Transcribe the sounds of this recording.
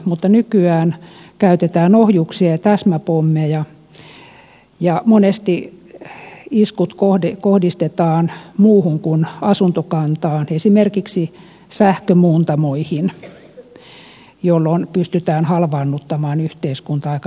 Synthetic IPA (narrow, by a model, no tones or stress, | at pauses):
mut̪ːɑnykyæːnkæyt̪et̪æːnohjuksiɑɑt̪æsmæpomːejɑ | jɑmonest̪i | iskut̪kohikohdist̪et̪ɑːnmuːhuŋkunɑsunt̪okɑnt̪ɑːnesimerkiksi | sæhkømuːnt̪ɑmoihin | jolːonpyst̪yt̪æːnhɑlʋɑːnːut̪ːɑmɑːnyht̪eiskunt̪ɑɑikɑ